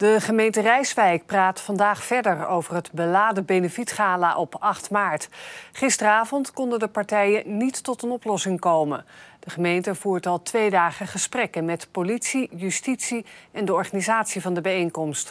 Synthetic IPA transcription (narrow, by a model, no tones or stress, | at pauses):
dəχəmejntərɛjsʋɛjk̚praːtfɑndaːχfɛɹdəɹowvərɦədbəlaːdəbenəfitχaːlaʔɔpɑχtmaːɹtχɪstərəaːvɔntkɔndədəpɑɹtɛjənitːɔtənɔplɔsɪŋkowmə̰d̥əχəmejntəvuːɹtɑlˠtʋejdaːχəχəsprɛkənmɛtpolitsijystitsiɛndəɔɹχaːnizaːtsivɑndəbɛjejŋkɔmst